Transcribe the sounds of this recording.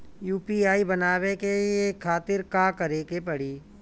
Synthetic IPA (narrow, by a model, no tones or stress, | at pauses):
juːpiaːibɐnaːwekeiekʰːaːt̪ɪɾkaːkɐɾeːkepɐɽiː